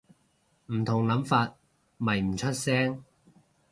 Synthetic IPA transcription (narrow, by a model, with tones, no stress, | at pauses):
m̩˨˩t̪ʰʊ˨˩ŋlɐ˨˥mfaː˧t̚ | mɐ˨˩jm̩˨˩t͡ʃʰɵ˥t̚sɛː˥ŋ